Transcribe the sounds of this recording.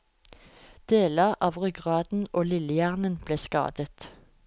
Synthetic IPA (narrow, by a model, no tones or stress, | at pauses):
d̪̥eːləʁɑːʋʁʏɡʁɑːd̪̥n̩ʔoːlɪləjæːʁnənb̥leːskɑ̰ːd̪ət̪